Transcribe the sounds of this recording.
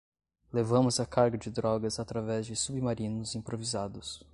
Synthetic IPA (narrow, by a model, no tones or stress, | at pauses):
levɐ̃mʊzɐkaɾɡɐd͡ʒɪd̪ɾɔɡɐzat̪ɾavɛzd͡ʒɪsubimaɾĩnʊzĩpɾovizad̪ʊs